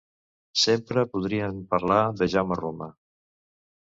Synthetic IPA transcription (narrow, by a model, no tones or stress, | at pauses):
sempɾəpuð̞ɾiəmpəɾlaðəʒaməromə